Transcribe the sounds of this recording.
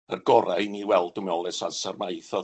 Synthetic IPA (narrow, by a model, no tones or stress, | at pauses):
ərɡɔɾajniwɛlˠdʊmɔlˠɛsansarmajθɔ